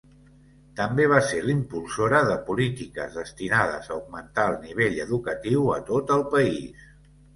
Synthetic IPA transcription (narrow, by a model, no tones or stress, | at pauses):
t̪əmbeβ̞aselimpulˠsoɾəðəpulit̪ikə̰zðəst̪inað̞ə̰zəuɡ̚mənt̪aəlˠniβ̞eʎəðukət̪iwət̪ot̪əlˠpəis